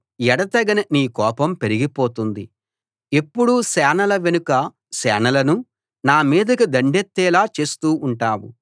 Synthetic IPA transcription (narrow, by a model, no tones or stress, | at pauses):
jɛɽɐt̪ɐɡɐnɐniːkɔːpɐmpe̞ɾiɡipo̞ːt̪und̪i | epːuɽusɛːnɐlɐʋenukɐ | sɛ̰ːnɐlɐnu | naːmiːd̪ɐkid̪ɐɳɖet̪ːɛːlaːt͡ʃe̞ːst̪uːɳʈaːwṵ